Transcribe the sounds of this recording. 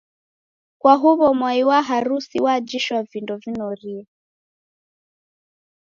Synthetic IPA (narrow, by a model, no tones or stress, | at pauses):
kwaɦuβɔmwaiwaɦaɾusiwad͡ʒiʃwavindɔvinɔɾia